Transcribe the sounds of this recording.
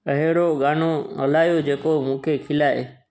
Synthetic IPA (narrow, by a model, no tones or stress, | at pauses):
ɐɦeɽoɠaːnoɦɐ̰laːjod͡ʑeːkomũːkʰekʰɪlaːe